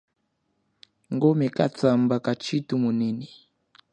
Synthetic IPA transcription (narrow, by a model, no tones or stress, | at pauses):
ŋɡɔmɛkat͡sambakat͡ʃitumunini